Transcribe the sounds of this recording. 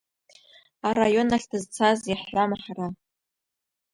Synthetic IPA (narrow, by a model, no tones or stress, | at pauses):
arajo̞naɬʲdɨzt͡sʰazjaħːʷamaħra